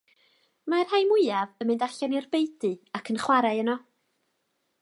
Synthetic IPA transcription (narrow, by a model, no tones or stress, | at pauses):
mar̥hajmʊɨavəmɪndaɬanɪrbejdɨakʰənχwaɾaɨənɔ